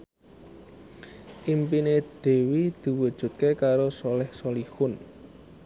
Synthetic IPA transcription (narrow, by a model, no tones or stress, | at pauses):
ʔimpined̪̥e̤wid̪̥i̤wud̥ʒ̥ṳt̪̚kekaɾosolɛhsolihʊn